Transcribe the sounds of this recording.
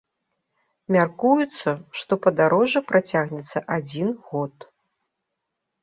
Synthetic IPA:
mʲarkujut̪sːɐʂt̪ɔpɐd̪aɾɔʐɐpɾat͡sʲaɣnʲɛt̪sːɐʔad͡zʲinɣɔt̪

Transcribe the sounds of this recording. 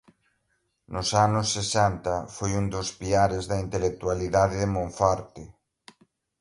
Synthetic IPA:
nʊsanʊsːesɛnt̪ɐfojund̪ʊspiaɾɪzðɐint̪elek̚t̪ualiðaðɪðemõɱfaɾt̪ɪ

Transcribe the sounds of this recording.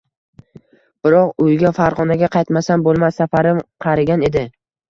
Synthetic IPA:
b̥ɪɾɒqʊjɡʲafaɾʁɒnaɡʲaqʰɑjt̪masanbolˠmasːafaɾɪmqʰɑɾaɡʲane̞d̪ɪ

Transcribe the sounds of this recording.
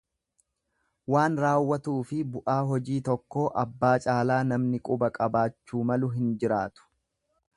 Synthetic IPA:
waːnɾaːwːɐt̪uːfɪbʊʔaːɦɔd͡ʒiːt̪ɔkːo̞ːʔɐbːaːt͡ʃʼaːlaːnɐmnɪkʼʊbɐkʼɐbaːt͡ʃːuːmɐlʊɦɪnd͡ʒɪɾaːt̪ʊ̥

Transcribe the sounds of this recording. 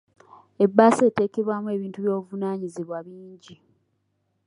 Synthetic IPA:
e̞bːaːseːte̞ːkeβwamue̞ːβiːntuβjo̞ːvunaːɲizeβwaβiːɲɟi

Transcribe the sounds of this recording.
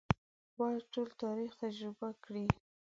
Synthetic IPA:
wɑjʈolt̪ɑɾixt̪ad͡ʒɾɪbakɽi

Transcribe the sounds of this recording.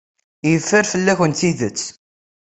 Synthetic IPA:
jəfːəɾfəlːæçəniðət͡sː

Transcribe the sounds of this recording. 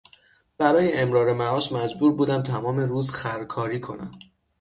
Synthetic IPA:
b̥æɾɒːjeʔemɾɒːɾemæɒːʃmæd͡ʒbuːɾbuːd̪æmt̪ʰæmɒːme̞ɾuːzxæɾkʰɒːɾiːkʰo̞næ̰m

